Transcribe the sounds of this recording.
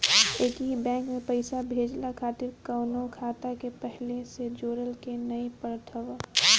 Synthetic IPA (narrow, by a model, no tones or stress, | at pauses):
eːkiɦibɛ̃ːŋkmẽpəɪsabʱeːd͡ʒlakʰaːt̪ɪɾkəːnokʰaːt̪akepɛɦlesed͡ʒoːɾəlkenəipəɾt̪ʰəʋ